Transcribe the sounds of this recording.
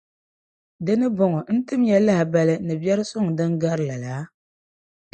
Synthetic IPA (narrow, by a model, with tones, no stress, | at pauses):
dɨ˦nɨ˦bo˦ŋɔ˨n̩˦tɨ˦m˦ja˦la˦hɪ˨ba˦lɨ˦nɨ˨bɛ˦ɾɨ˦sʊ˦ŋ˨dɨ˦ŋɡa˦ɾɨ˨la˨la˨˦